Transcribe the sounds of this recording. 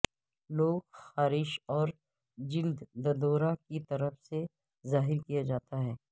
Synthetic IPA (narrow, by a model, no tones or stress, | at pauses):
loːɡxaːɾɪʃɔːɾ | d͡ʒɪld̪ːɐd̪oːɾakit̪ɐɾəfse | zaːɦɪɾkijad͡ʒaːt̪aɦɛː